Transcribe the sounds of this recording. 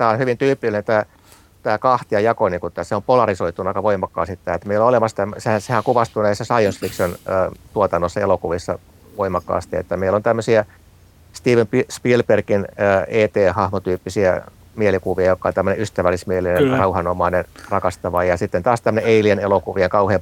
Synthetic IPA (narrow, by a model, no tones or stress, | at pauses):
t̪æːonhyʋint̪yːpːˑilːinent̪æː | t̪æːkɑht̪iɑjɑkoniŋkut̪ːæseompolɑrisoit̪unɑikɑʋoimɑkːɑ̰ːsit̪ːæːet̪meilːoolemɑst̪æmːsehænsehæŋkuʋɑst̪unesːæsɑionsfiksonət̪uot̪ɑnːosːɑelokuʋisːɑ̰ | ʋoimɑkːɑ̰ːst̪iḛt̪ːæmeilːont̪æmːøsiæ | st̪iːʋømpispilperkinəːeːt̪eːhɑhmot̪yːpːisiæ̰ | mielikuʋiɑjokːɑont̪æmːøneʔyst̪æʋælːismielinerɑuhɑnomɑinenrɑkɑst̪ɑʋɑjɑsit̪ːent̪ɑːst̪æmːø̆neeilienelokuʋieŋkɑuheːm